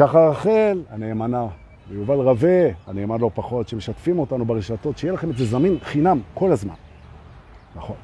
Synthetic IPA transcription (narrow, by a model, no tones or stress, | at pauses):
kaχaʁaχelaneːmana | vejuvalʁaveaneːmanlopaχo̞tʃeme̞ʃatfimo̞tanubeʁeʃato̞tʃejelaχemezezaminχinamko̞lazma̰n | naχo̞n